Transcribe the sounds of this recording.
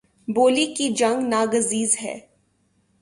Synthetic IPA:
boːlikid͡ʒɐ̃ŋɡnaːɡəziːzɦɛ̰ː

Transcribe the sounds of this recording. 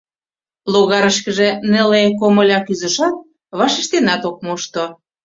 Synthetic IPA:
loɣɑɾəʃkə̆ʒĕnelekomə̆lʲɑkyzə̆ʃɑt̪̚ | βɑʃiʃt̪enɑt̪ok̚moʃt̪o

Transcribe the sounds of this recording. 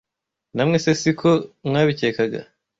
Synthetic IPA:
namŋesesikʰomŋaːβiceːkaɡa̰

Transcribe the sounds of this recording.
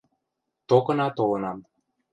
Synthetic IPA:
t̪okɤ̆nɑt̪olɤ̆nɑm

